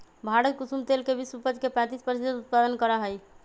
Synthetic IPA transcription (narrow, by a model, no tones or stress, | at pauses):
bʱaɽət̪̚kusumt̪elkebiswəpəd͡ʒkepɛ̃t̪ispəɾsid͡ʒəd̪ut̪̚pad̪ənkəɾəɦəj